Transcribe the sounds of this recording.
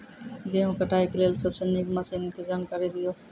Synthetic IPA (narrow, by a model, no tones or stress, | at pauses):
ɡeõkəʈʰaikelelsəbsenekməsinked͡ʒamkəɾed̪ijo